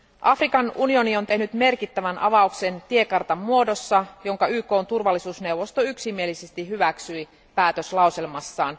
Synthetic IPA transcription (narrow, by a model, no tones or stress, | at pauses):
ʔɑfrikɑnunio̞nio̞nt̪e̞ɦnyt̪me̞rkit̪ːæʋænʔɑ̰ʋɑukse̞nt̪ie̞kɑrt̪ɑmːuo̞do̞sːɑjo̞ŋkɑyːko̞ːnt̪urʋɑlːisuːsne̞uwʋːo̞st̪oyksimie̞lisest̪iɦyʋæksyi | pæːt̪øslɑuselmɑsːɑːn